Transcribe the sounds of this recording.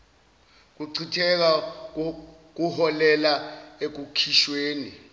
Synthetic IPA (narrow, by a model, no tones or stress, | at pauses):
k̬uǀʰitʰɛk̬a | k̬uhɔlɛlaek̬ukʰiʃweːni